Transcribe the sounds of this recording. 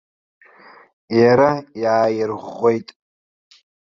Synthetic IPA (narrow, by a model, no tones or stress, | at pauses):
jaɾajaːjɪrʁʷojtʼ